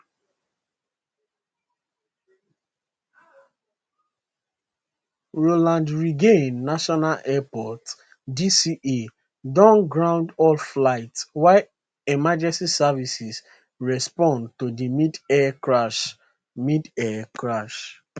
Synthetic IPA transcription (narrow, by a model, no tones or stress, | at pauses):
ɹolãndɹiɡẽnːaʃɔnalɛpɔt | disiʔe | dɔ̃nɡɹãʊ̃ndɔlflaɪtswaɪ | ɛmad͡ʒɛ̃nsisɛvisis | ɹɛspɔ̃ndtodimidɛɹaʃ | midɛkʰɹaʃ